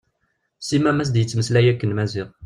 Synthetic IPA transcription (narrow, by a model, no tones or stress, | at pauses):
simæmæs̬d̪jət͡sːməslæjækːənmæzɪʁ